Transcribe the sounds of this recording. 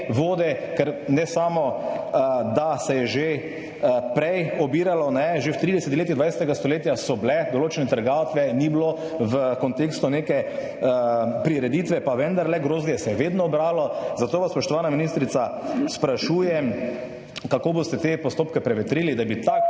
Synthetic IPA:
ʋoːd̪ɛkɛɾnɛsaːmɔ | d̪asɛjɛʒe | pɾɛjɔbiːɾalɔnɛʒewt̪ɾid̪ɛsɛt̪leːt̪id̪ʋajsʲɛt̪ɛɡast̪oleːt̪jasɔblɛd̪ɔloːt͡ʃɛnɛt̪əɾɡawt̪ʋɛniblo | ʋəkɔnt̪eːkst̪uneːkɛ | pɾiɾɛd̪iːt̪ʋɛpaʋɛnd̪aɾlɛɡɾoːzɡ̪ijɛsɛjɛʋeːd̪nɔɔbɾaːlɔzat̪oːʋaspɔʃt̪ɔʋaːnaminist̪ɾit̪saspɾaʃuːjɛ | kakoːbost̪ɛt̪epɔst̪oːpkɛpɾɛʋɛt̪ɾiːlid̪abit̪a

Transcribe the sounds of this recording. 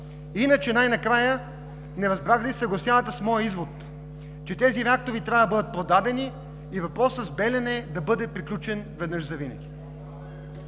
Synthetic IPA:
inət͡ʃɛnajnɐkɾajə | nɛɾɐzbɾaɡlʲisɐɡlˠɐsʲjanət̪əsmɔjəizvot̪ | t͡ʃɛt̪ɛziɾɛak̚t̪ovit̪ɾʲavd̪ɐbɤd̪ət̪̚pɾod̪ad̪ɛniː | vɐpɾɔsəzbɛlʲɐnɛd̪ɐbɤd̪ɛpɾiklʲut͡ʃɛnvɛd̪nɤʃzɐvinɐɡʲi

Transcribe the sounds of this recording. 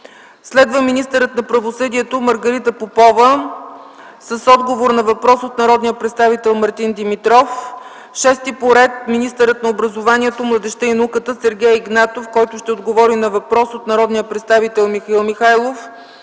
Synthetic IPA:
slɛd̪vəminist̪əɾət̪nɐpɾɐvosɤd̪iɛt̪oməɾɡɐɾit̪əpopɔvə | səsɔd̪ɡovoɾnɐvɐpɾɔsot̪nɐɾɔd̪nijəpɾɛt̪st̪avit̪ɛlˠmɐɾt̪ind̪imit̪ɾɔf | ʃɛst̪ipoɾɛt̪minist̪əɾət̪nɐobɾəzovaniɛt̪omlˠəd̪ɛʃt̪ɛinɐukət̪əsɛɾɡʲɛjiɡnat̪ofkɔjt̪ʊʃt̪ɛod̪ɡovɔɾinɐvɐpɾɔsot̪nɐɾɔd̪nijəpɾɛt̪st̪avit̪ɛlˠmixəilˠmixajlˠof

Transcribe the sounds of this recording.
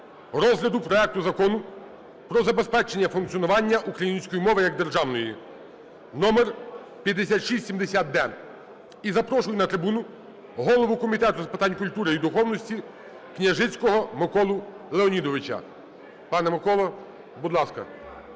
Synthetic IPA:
ɾɔzɦlʲɐd̪ʊpɾɔɛk̚t̪ʊzɐkɔnʊ | pɾɔzɐbespɛt͡ʃenʲːɐfunk̪t͡s̪ʲijɔnʊʋɑnʲːɐʔukɾɐjinʲsʲkɔjimɔʋɪjɐɡ̚d̪erʒɑwnɔji | nɔmɛr | pʲjɐd̪ːesʲat̪ʃisʲsʲimd̪esʲat̪̚d̪ɛ | izɐpɾɔʃʊjnɐt̪ɾɪbunʊ | ɦɔlˠɔʋʊkɔmʲit̪ɛt̪ʊzɐpɪ̥t̪ɑnʲkʊlʲt̪uɾeid̪ʊxɔwnɔsʲtʲi | knʲɐʒɪt͡sʲkɔɦɔmekɔlˠʊ | lˠeɔnʲid̪ɔʋɪt͡ʃɐ̰ | pɑnɛmekɔlˠɔ | bud̪lˠɑskɐ̰

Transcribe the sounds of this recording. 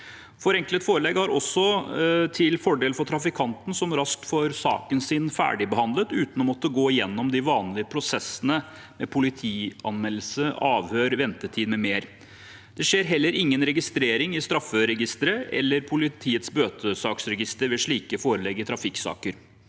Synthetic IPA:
fɔɾɛŋklət̪foːɾəlɛɡhɑɾʔɔsːɔt̪ʰɪlfɔɖeːlfɔʈʰɾɑfɪkʰɑnt̪n̩sɔmɾɑsk̚t̪fɔɾsɑ̰ːkənsɪnfæ̰ːɖɪbəhɑnd̪lət̪ʉːt̪nɔmɔt̪ːəɡoːɪjɛnːɔmd̪ɪʋɑːnlɪəpʰɾʊsɛsːənə | mɛpʰʊlɪt̪ʰiːɑnmɛlːəsəɑːʋhøːɾʋɛnt̪ət̪ʰiːd̪mɛmeːɾ | d̪̥ɛʂeːɾɦɛlːəɾɪŋːənɾɛɡɪst̪ɾeːɾɪŋɪst̪ɾɑfːəɾɛɡɪst̪əɾəʔɛ̰lːəɾpʰʊlɪt̪ʰiːət̪sbøːt̪ʰəsɑːksɾɛɡɪst̪əɾʋɛʂɭiːkəfoːɾəlɛɡɪt̪ʰɾɑfɪksɑ̰ːkəɾ

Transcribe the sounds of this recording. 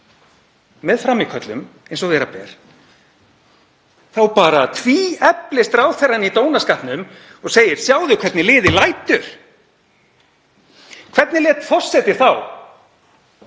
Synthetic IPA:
mɛðfɾamːɪkʰœt̪lʏ̰mejnsɔɣvɛːɾapɛ̰ːɾ̥ | θawpaːɾat̪ʰviːɛplɪst̪ɾaːwθɛrːanit̪oːwnaskahpnʏm | ɔɣseːjɪɾ̥sjaːwðʏkʰv̥ɛɾt̪nɪlɪːðɪlajt̪ʏɾ̥ | kʰv̥ɛt̪nɪlɛːt̪fɔr̥sɛt̪ɪɾ̥θaw

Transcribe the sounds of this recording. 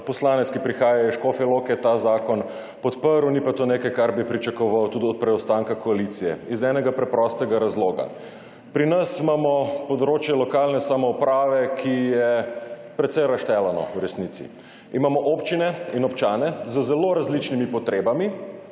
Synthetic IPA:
pɔslaːnɛt̪skipɾixaːjajiʃkofɛlokɛt̪azaːkɔn | pɔt̪pəɾwnipat̪onekajkaɾbipɾit͡ʃakɔʋawt̪uːd̪iɔt̪̚pɾɛɔst̪aŋkakoalit̪sijɛ̰izɛnɛɡapɾɛpɾɔst̪ɛɡaɾazloːɡa̰ | pɾinɐsimamɔpɔd̪ɾoːt͡ʃjɛlɔkaːlnɛsamɔupɾaːʋɛkʰijɛpɾɛt̪sɛjɾaʃt̪ɛlanɔ̰wɾɛsnit̪sḭ | imamɔʔopt͡ʃinɛinɔpt͡ʃaːnɛzəzɛloːɾazlit͡ʃnimipɔt̪ɾeːbami

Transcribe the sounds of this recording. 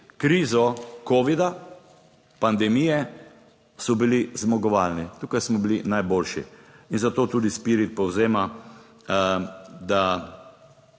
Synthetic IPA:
kɾiːzɔkoːʋid̪a | pand̪ɛmijɛ | sɔbilizmɔɡɔʋalnit̪uːkajsmɔbilinajboːlʃḭinzat̪oːt̪uːd̪ispiːɾit̪̚pɔwzeːma | d̪a

